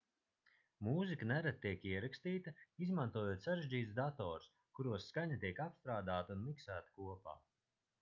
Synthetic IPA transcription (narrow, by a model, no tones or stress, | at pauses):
muːzikanɛɾat̪̚t̪ːiɛkiɛɾakst̪iːt̪ɐizmant̪uɔjuːt̪saɾeʒiːt̪sd̪at̪ɔːɾs | kuɾuɔsːkaɲat̪iɛkapst̪ɾaːd̪aːt̪ɐunmiksæːt̪ḁkuɔpa̰ː